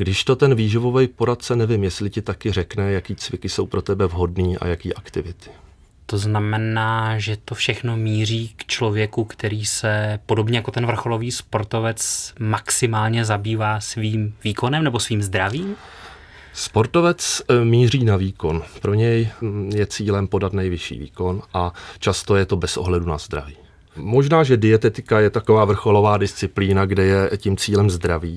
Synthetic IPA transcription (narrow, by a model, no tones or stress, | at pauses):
ɡdɪʃt̪ot̪ɛnviːʒɪvo̞vɛjpo̞ɾat̪̚t͡sɛnɛvɪmjɛslɪcɪt̪akɪrɛknɛjakiːt͡svɪkɪso̞wpɾo̞t̪ɛbɛvɦo̞dniːʔa̰jakiːʔakt̪ɪvɪt̪ɪ̥ | t̪o̞znamɛnaːʒɛt̪o̞fʃɛxno̞miːr̝iːkt͡ʃlo̞vjɛkukt̪ɛɾiːsɛpo̞do̞bɲɛjako̞t̪ɛnvr̩xo̞lo̞viːspo̞ɾt̪o̞vɛt͡smaksɪmaːlɲɛzabiːvaːsviːmviːko̞nɛmnɛbo̞sviːmzd̪ɾaviːm | spo̞ɾt̪o̞vɛt͡smiːriːnaviːko̞npɾo̞ɲɛjjɛt͡siːlɛmpo̞dat̪nɛjvɪʃḭːvḭːko̞nʔat͡ʃast̪o̞jɛt̪o̞bɛsʔo̞̰ɦlɛdunazd̪ɾa̰viː | mo̞ʒnaːʒɛdɪɛt̪ɛt̪ɪkajɛt̪akovaːvr̩xolo̞vaːdɪst͡sɪpliːnaɡdɛjɛcimt͡siːlɛmzd̪ɾaviː